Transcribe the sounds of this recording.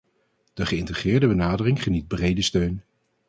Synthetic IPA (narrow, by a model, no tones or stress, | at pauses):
d̥əχəɪntəχɪːɹdəbənaːdərɪŋχənit̚brejdəstøɥn